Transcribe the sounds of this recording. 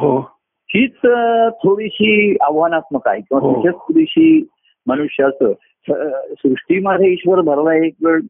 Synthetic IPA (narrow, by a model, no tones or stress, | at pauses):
ɦo | hiːt͡st̪ʰoɽiɕiːaʋɦanat͡sməka̰jkĩw̃ʋaɦsəɕet͡st̪ʰoɽiɕiː | mənuɕjəəsə | səsɾuʂʈimad̪ʱjeiɕʋəɾbʱəɾlajekʋeɭ